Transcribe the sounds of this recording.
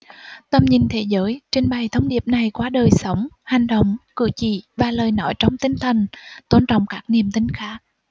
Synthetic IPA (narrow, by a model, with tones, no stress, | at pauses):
t̪ə˨˩mɲï˨˩ŋt̪ʰe˨˦zəː˨˦jt͡ɕï˧ŋ̟ɓa˨˩jt̪ʰə˧wŋ͡mɗi˨˩əp̚na˨˩jkwaː˨˦ɗəː˨˩jsə˨˦wŋ͡mha˨˩jŋ̟ɗo̰˧˨wŋ͡mkɨ̰˧˨t͡ɕḭ˧˩vaː˨˩ləː˨˩jnɔ˧˥jt͡ɕɔ˧wŋ͡mt̪ï˧ŋ̟t̪ʰə˨˩nt̪o˧nt͡ɕɔ̰˧˨wŋ͡mkaː˦˥k̚ni˨˩əmt̪ï˧˦ŋ̟xaː˦˥k̚